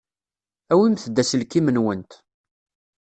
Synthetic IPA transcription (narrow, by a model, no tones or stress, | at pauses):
æwimθəd̪ːæsəlkːimənwənt̪